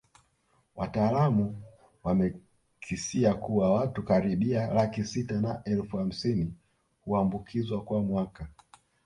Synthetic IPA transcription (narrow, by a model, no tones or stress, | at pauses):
wʔataːlamu | wamɛ | kʰisiakuwawatukaɾiɓialakisitanaʔɛlfuham̩sini | huambukʰizwakwamwaka